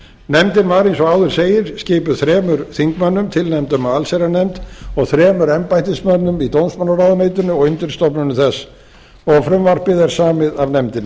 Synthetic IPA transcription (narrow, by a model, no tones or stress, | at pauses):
nɛmt̪ɪnvaɾejnsɔɣaːwðʏɾ̥seːjɪɾ̥scɪːpʏθɾɛːmʏɾ̥θiŋkmanːʏmt̪ʰɪlnɛmt̪ʏmaalseɾanɛmt̪ɔɣθɾɛːmʏɾɛmpajt̪ɪsmœnːʏmit̪ownsmanːaraːwðʏnejt̪ʏnʏɔɣʏnt̪ʏɾ̥st̪ɔpnʏnʏθɛsː | ɔɣfɾʏmvar̥pɪðaɾ̥saːmɪðavnɛmt̪ɪn